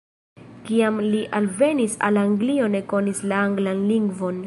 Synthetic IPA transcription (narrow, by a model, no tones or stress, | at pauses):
kiamliʔalve̞nisa̰laŋɡlio̞ne̞ko̞nislaaŋɡlanliŋɡvo̞n